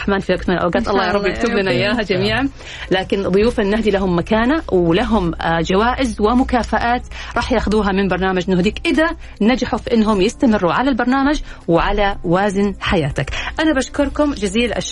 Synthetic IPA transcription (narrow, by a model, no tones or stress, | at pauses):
ħmaːnfiakt̪mɪnlʔa̰wɡaːt̪ʔɑlˤːɑːjɑːɾˤɑbɪkt̪ʊblanaʔjːaːɦad͡ʒamiːʕan | laːkɪnðˤʊjuːfanːahd̪ilaɦʊmːakaːnawlaɦʊmd͡ʒawaːʔɪzwɪmʊkaːfaʔaːt̪ɾˤɑːħjaːxaðuːɦamɪmbɑɾˤnaːmad͡ʒʔnːʊhd̪iːkʔɪða | nad͡ʒaħufiʔɪnːɦʊmjɪst̪amɪrːuʕalalbɑɾˤnaːmad͡ʒwɪʕalawaːzɪnħajaːt̪akʔanabaʃkʊɾˤkʊmd͡ʒɪziːlʔa̰ʃ